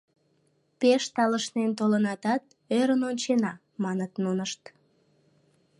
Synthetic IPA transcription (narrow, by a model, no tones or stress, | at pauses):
peʃt̪ɑləʃnent̪olənɑt̪ɑt̪̚ | øɾənonʲt͡ɕenɑ | mɑnət̪nunəʃt̪